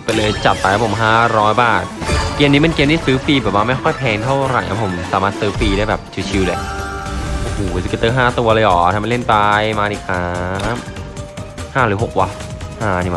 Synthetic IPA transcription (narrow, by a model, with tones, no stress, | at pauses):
pa˧˩lɤː˧jt͡ɕa˨˩t̪̚pa˧a˦˥pʰo˩˦mɦaː˥˩ɾɔː˦˥jbaː˨˩t̪̚ke˧əniː˦˥ma˧nke˧mndi˥˩sɯː˦˥fiː˧bɛː˨˩p̚wa˥ma˥˩jxʰɔ˥˩jpʰɛː˧ŋt̪ʰa˥˩wɾa̰˨˩jʔa̰˦˧˥pʰo˩˦msaː˨˦maː˥˩t̪̚sɯː˦˥fiː˧ɾaː˥˩jbɛː˨˩p̚t͡ɕʰi˧t͡ɕʰi˧wle˧˩ʔʔo˧hoː˨˩˦skːt̪ːɤː˥˩ɦaː˥˩t̪u˧ɐ˧lɤː˧jʔɔː˨˩t̪ʰaː˧˩ma˧le˥˩npa˧jmaː˧ʔiː˨˩k̚saː˦˥m | haː˥˩ɾɯː˩˦ɦo˨˩k̚wa˦˥ | haː˧˩˧niː˧˩a˧˩